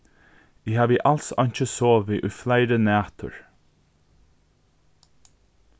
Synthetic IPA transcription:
ɪhaːʋɪʔalsɔ̰ɲ̥t͡ʃəsɔːʋɪʔʊjflaɪɾənæːt̪ʰʊ̰ɹ

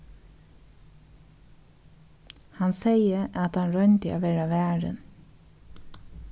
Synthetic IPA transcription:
hɑnseɪəʔɑt̪ɑnɹœɲt̪ɪʔa̰ːʋeːɹaʋæːɹə̰n

